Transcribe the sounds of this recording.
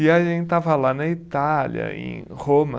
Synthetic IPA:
iɐʒẽnt͡ʃɪt̪avɐlanɐit̪aljɐ̰ḛ̃j̃ | hõmɐ

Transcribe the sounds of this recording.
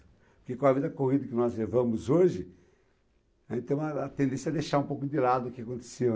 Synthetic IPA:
pʊɾkekõɐvid̪ɐkohid̪ɐkɪnɔzlevɐ̃mʊzoʒɪ | ẽt̪ẽɐɐt̪ẽnd̪ẽsjɐd̪ejʃaɾũpowkʊd͡ʒ̪ɪlad̪ʊːkɪakõnt̪e̥se

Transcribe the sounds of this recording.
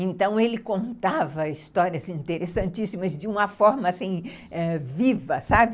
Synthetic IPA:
ẽnt̪ɐ̃w̃elɪkõnt̪avɐist̪ɔɾiɐzĩnt̪eɾesɐ̃nt͡ʃisimɐzd͡ʒɪũmɐfɔɾmɐːsĩ | ɛvivɐsabɪ

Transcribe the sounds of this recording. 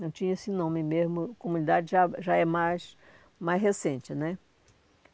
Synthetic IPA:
nɐ̃w̃t͡ʃĩɲɐesɪnõmɪmezmʊkõmũnid̪ad͡ʒɪʒaʒaɛmajs | majzɦesẽnt͡ʃɪnɛ

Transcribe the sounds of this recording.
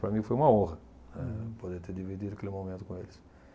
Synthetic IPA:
pɾɐmĩfojũmɐõhɐ | nɛpod̪et̪eɾd̪ivid̪id̪ʊɐkelɪmomẽnt̪ʊ̥kõelɪs

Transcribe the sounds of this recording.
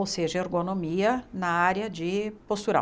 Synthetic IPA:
owseʒɐeɾɡonomiɐnɐaɾjɐd͡ʒɪpost̪uɾɐ̰̃

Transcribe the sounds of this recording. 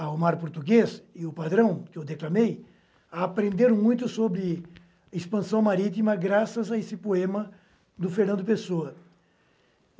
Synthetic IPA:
awmaɾpoɾt̪uɡesɪʊpad̪ɾɐ̃w̃kɪewd̪eklamej | aːpɾẽnd̪eɾ̃mũj̃t̪ʊsobɾɪ | ɐispɐ̃sɐ̃w̃maɾit̪̬imɐɡɾasɐzɐesɪpoẽmɐ | d̪ʊfeɾnɐ̃nd̪ʊpesoɐ

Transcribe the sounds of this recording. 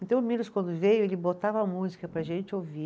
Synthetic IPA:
ẽnt̪ɐ̃w̃milʊskwɐ̃nd̪ʊvejʊelɪbot̪avɐmuzikɐpɾɐʒẽnt͡ʃɪovi

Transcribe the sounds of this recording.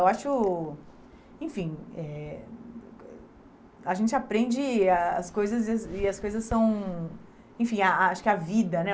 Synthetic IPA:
ewaʃʊ | ẽfĩɛ | ɐʒẽnt͡ʃɪapɾẽnd͡ʒɪaɐ̰skojzɐzsɪɐskojzɐsːɐ̃w̃ | ẽfĩaaʃʊ̥kɪavid̪ɐnɛ

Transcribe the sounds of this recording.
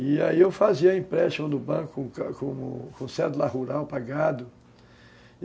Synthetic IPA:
ɪaiewfaziɐĩpɾɛʃɐ̃w̃d̪ʊbɐ̃kʊkkõmʊ̰kõsɛd̪ulahuɾawpaɡad̪ʊ

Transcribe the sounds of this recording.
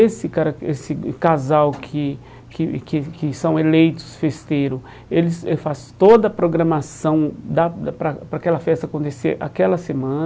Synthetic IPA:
esɪkaɾɐesɪkazawkʰɪ | kɪkɪkɪsɐ̃w̃elejt̪ʊ̥sfest̪eɾʊ | elɪsefast̪od̪ɐːpɾoɡɾɐ̃masɐ̃w̃d̪ad̪pɾɐpɾɐakɛlɐfɛst̪ɐkõnt̪eseʔa̰kɛlɐsemɐ̃n

